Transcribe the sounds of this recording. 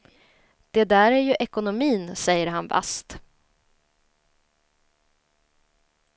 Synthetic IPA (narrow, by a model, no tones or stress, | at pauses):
d̪̥ɛd̪æːɾæɾjɵʔɛkʊnʊmiːnsɛjːəɾɦanba̰st̪